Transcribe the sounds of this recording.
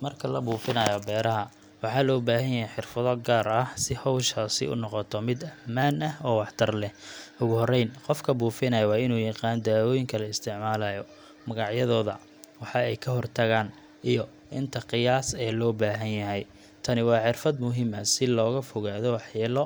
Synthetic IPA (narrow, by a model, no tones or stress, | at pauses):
mɐrkʰɐlɐbuːfɪnɐjɐbɛːɾɐɦɐ | wɑħɑːlɔːbaːɦɐnjɐɦɛjħɪrfɐðɔɡaːɾɐhsɪhɔwʃɐsɪ̰ʊ̰nɔqɔt̪ʰɔmɪd̪ɐmaːnɐhɔːwɑħt̪ʰɐrlɛʊɣʊhɔrɛjnqɔfkʰɐbuːfɪnɐjɐwɑːɪnuːjɑqɑːnd̪aːwɔːjɪŋkʰɐlɐɪst̪ʰɪʕmaːlɐːjɔ | mɐɣɑʕjɐðɔːðɐ̰ | wɑħɑɛjkʰɐɦɔrt̪ʰɐɣaːn | ʔijɔ | ʔɪnt̪ʰɐqɪjaːsɛːlɔːbaːɦɐnjɐɦɛj | t̪ʰɐnɪwɑːħɪrfɐd̪mʊɦimɐsɪlɔːɣɐfɔɣaːðɔwɑħjɛːlɔ